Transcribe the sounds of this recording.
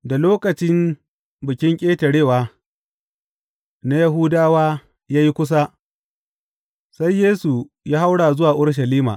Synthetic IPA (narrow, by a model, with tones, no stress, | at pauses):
da˨loː˦kɐ˨t͡ʃɪ˦m | bɪ˨kʲɪ˦ŋkʲʼeː˦tɐ˨ɽeː˦˨waː˦ | na˦ja˦ɦʊ˦daː˦waː˦ | jaː˦ji˦kʷʊ˦s̬a˦ | sa˦jːeː˦su˨ | jaː˦ha˦wɽaː˨zʊ˦waː˨ʔʊ˦ɽʃ̬ɐ˨liː˦ma̰ː˨